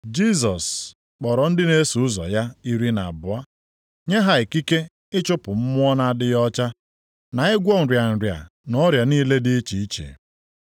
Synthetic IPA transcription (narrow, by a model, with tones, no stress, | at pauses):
d͡ʒi˦s̬ɔ˨s | k͡pɔ˨ɾɔ˨n̩˦dɪ˦ne˦su˨ʊ˦zɔ̰˨ja˦i˦ɾi˦na̰˨a˨bʊ˨a˦ | ɲe˦ɦa˦e˨ki˦ke˦ | ɪ˦t͡ʃʊ˦pʊ˨m̩˦mʊ˦ɔ˦na˦˨dɪ˦jɔ˦t͡ʃa˦ | na˨ɪ˦ɡʷɔ˦n̩˨ɾja˨n̩˨ɾja̰˨nɔ˦ɾja˨niː˦le˦dɪ˦t͡ʃi˨i˦t͡ʃḛ˨